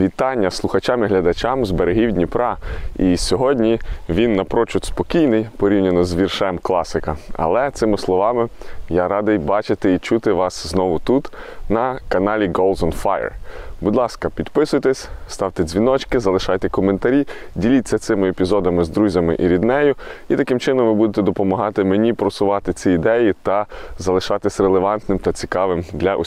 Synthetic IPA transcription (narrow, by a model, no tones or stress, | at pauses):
ʋʲit̪ɑnʲːɐslˠʊxɐt͡ʃɑmiɦlʲɐd̪ɐt͡ʃamzbeɾeɦʲiwdʲnʲipɾɑisʲɔɦɔdʲnʲiʋʲinːɐpɾɔt͡ʃʊt̪spɔkʲijnɪjpɔɾʲiwnʲɐnɔzʋʲirʃɛmklˠɑsɪkɐɐ̰lˠɛt̪sɪmɪslˠɔʋɑmɪjaɾɑd̪ɐjbɑt͡ʃɪt̪ɪit͡ʃut̪ɪʋɑsznɔʋʊt̪ut̪nɐkɐnɑlʲiɡolˠd̪ɔnfajɛ̰rbud̪lˠɑskɐpʲid̪pɪsʊjt̪ɛsʲst̪ɑwt̪ɛzʲʋʲinɔt͡ʃkɪzɐlˠɪʃɑjt̪ɛkɔment̪ɐɾʲidʲilʲit͡sʲːɐt̪sɪmɪepʲizɔd̪ɐmɪzd̪ɾuzʲɐmɪ̰ʔiɾʲid̪nɛjʊit̪ɐkɪmt͡ʃɪnɔmʋɪbud̪et̪ɛd̪ɔpɔmɐɦɑt̪ɪmenʲipɾɔsʊʋɑt̪ɪt͡sʲiid̪ɛjit̪ɐzɐlˠɪʃɑt̪ɪsʲrelˠeʋɑnt̪nɪmt̪ɐt͡sʲikɑʋɪmd̪lʲɐʔɔ